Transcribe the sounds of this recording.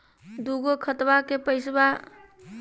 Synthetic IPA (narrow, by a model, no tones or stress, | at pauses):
d̪uɡokʰət̪bakepəjsba